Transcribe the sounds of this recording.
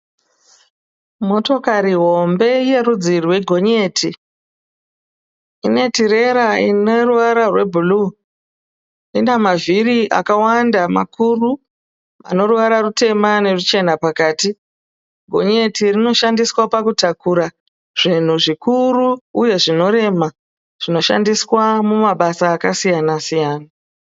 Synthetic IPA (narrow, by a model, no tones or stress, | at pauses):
mo̞to̞kaɾiɦo̞mbe̞je̞ɾud͡zirwe̞ɡʱo̞ɲe̞ːtʰi | ine̞tiɾe̞ɾaineruʋaɾarwe̞bʱuluː | indamavʱiriʔa̰kawandama̰kuru | a̰no̞ruʋaɾarute̞mane̞rut͡ʃe̞napakaːti | ɡʱo̞̰ɲe̞tirino̞ʃandiswapakutakuɾa | ʐ̥in̤uʐikuruːje̞ʐino̞ɾe̞ma | ʐ̥ino̞ʃa̰ndiswamumaɓasaːkasijanasijaːna